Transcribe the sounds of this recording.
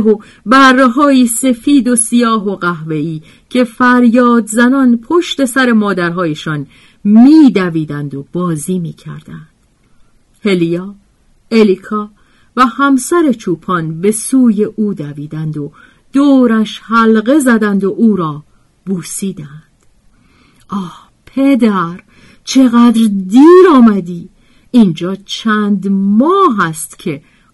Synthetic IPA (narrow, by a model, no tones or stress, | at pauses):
ɦo | bærːeɦɒːjiːse̞fiːd̪o̞sijɒːɦo̞ɣæɦve̞iː | cʰe̞fæɾjɒːd̪zænɒːnpʰo̞ʃt̪e̞sæɾe̞mɒːd̪æɾɦɒːje̞ʃɒn | miːd̪æviːd̪ænd̪o̞b̥ɒːziːmiːcʰæ̰ɾd̪̥ænd̪̥ | he̞lijɒː | e̞likʰɒː | væhæmsæɾe̞t͡ʃʰuːpʰɒnbe̞suːje̞ʔuːd̪æviːd̪ænd̪o̞ | d̪̥oːɾæʃhælɣe̞zæd̪ænd̪o̞ʔuːɾɒː | buːsiːd̪ænd̪̥ | ʔɒːh | pʰe̞d̪æɾ | t͡ʃʰe̞ɣæd̪ɾd̪iːɾɒːmæd̪iː | ind͡ʒɒːt͡ʃʰænd̪mɒːɦæst̪cʰe̞